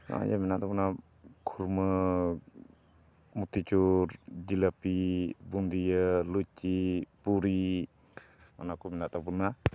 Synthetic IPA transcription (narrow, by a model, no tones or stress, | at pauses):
na̰jaminatabuna | kʰuɾmɯ | mut̪ʰit͡ʃuɾd͡ʒilapibund̪ijəlut͡ʃːipuɾi | ma̰nakuminat̪abuna